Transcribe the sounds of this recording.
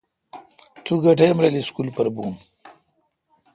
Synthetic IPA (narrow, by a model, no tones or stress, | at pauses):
t̪uɡɐʈejmɾeliskulpɐɾbuːn